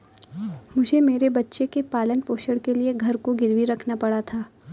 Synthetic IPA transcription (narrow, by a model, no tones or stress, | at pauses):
mʊd͡ʒʱemeːɾebɐtːʃekepaːlənpoːʃəɽkelieɡʱɐɾkoɡɪɾʋiɾɐkʰnapɐɽat̪ʰaː